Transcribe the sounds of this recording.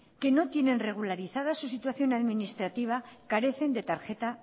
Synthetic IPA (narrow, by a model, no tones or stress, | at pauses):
ke̞no̞t̪je̞nẽ̞nre̞ɣ̞ulaɾiθað̞asusit̪waθjo̞naðminist̪ɾat̪iβ̞akaɾe̞θe̞nd̪e̞t̪aɾxe̞t̪a